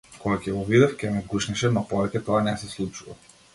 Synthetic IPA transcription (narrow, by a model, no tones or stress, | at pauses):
kɔɡakʲɛɡɔvid̪ɔfcʲɛmɛɡuʃnɛʃɛmapɔvɛcʲɛt̪ɔanɛsɛslˠut͡ʃuva̰